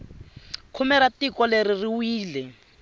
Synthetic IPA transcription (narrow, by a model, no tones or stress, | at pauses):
kʰumɛɾatikɔleɾiriwiːlɛ